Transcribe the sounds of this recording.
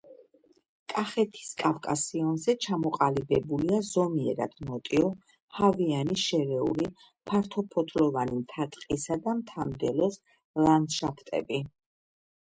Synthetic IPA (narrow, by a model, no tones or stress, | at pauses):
kʼaχɛt̪ʰi̥skʼafkʼasiɔnzɛt͡ʃʰamɔqʼalibɛbuliazɔmiɛ̰ɾa̰d̪̥mɔt̪ʼiɔ | havianiʃɛɾɛṵli | pʰaɾt̪ʰɔpʰɔt̪ʰʼlɔvanimt̪ʰat̪ʼqʼisad̪amt̪ʰamd̪ɛlɔs | land̪ʃapʰt̪ʼɛ̰bi